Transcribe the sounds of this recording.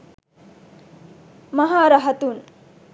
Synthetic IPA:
mɐɦaːɾɐɦɐt̪un

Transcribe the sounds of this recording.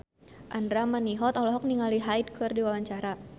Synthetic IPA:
ʔandɾamaniɦɔt̪ɔlɔɦɔk̚niŋaliɦajd̚kʰɨrdiwawaɲt͡ʃaɾa

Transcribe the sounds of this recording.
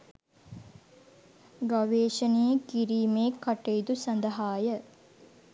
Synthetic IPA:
ɡaʋeːʃənejəkiɾiːmeːkːaʈejd̪usɐnd̪əɦaːjə

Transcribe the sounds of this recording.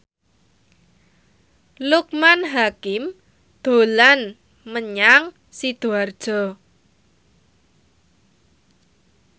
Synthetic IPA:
luk̚manɦakɪm | d̪̥o̤lan | məɲaŋ | sid̪̥oard̥ʒ̥ɔ̤

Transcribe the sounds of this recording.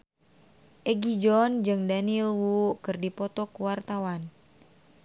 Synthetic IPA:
ʔɛɡid͡ʒɔnd͡ʒɨŋdanilwukɨrdipɔt̪ɔkuwart̪awan

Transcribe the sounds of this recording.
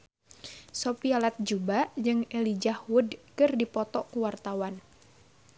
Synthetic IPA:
sopialat̪̚d͡ʒubad͡ʒɨŋɛlid͡ʒahwʊdkɨrdipɔt̪ɔkuwart̪awan

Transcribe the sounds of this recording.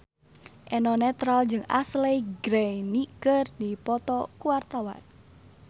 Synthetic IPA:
ʔɛnɔnɛt̪ɾald͡ʒɨŋa̰sleɡɾejnikərd̪̥ipɔt̪ɔkuwart̪awa̰n

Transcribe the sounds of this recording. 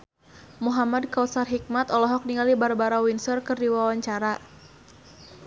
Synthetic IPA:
muɦamadkaw̪sarɦik̚mat̪ɔlɔɦɔk̚niŋalibarbaɾawinsɔrkɨrdiwawaɲt͡ʃaɾa

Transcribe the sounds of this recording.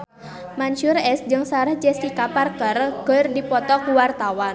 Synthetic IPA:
manʃʊrɛs̚d͡ʒɨŋsaɾahd͡ʒɛst̪ikaparkərkərdipɔt̪ɔkuwart̪awan

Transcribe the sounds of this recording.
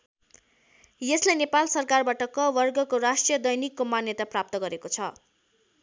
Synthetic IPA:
jeslajnepalsʌrkarbaʈʌkʌbʌrɡʌkorasʈrijʌd̪ʌjnikːomanjʌt̪aprap̚t̪ʌɡʌɾekot͡sʰʌ

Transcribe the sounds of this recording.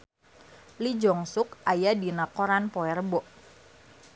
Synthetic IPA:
lid͡ʒɔŋsʊkajadinakɔɾanpɔɛrbɔʔ

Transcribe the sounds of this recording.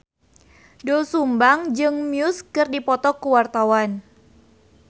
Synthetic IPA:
dosumbaŋd͡ʒɨŋmiuskɨrdipɔt̪ɔkuwart̪awan

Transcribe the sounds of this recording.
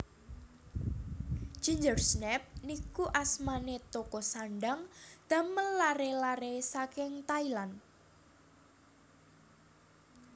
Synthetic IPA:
d͡ʒ̥iɲd͡ʒərsnɛp̚nikuʔasmanet̪okɔsaɳɖaŋd̪̥ä̤mənlaɾelaɾesakɪŋt̪ailan

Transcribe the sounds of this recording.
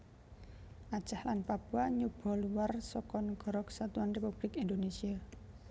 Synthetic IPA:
ʔḁt͡ʃahlanpab̥uaɲub̥ɔ̤luwarsɔkɔnɡ̥ɔ̤ɾɔksat̪uanrepub̥lɪkind̪onesia

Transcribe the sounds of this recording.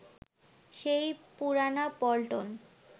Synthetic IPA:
ʃejpuɾanapɔlʈon

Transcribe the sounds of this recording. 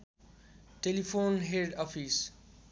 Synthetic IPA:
ʈelifʰoːnɦeɖɔːfʰis

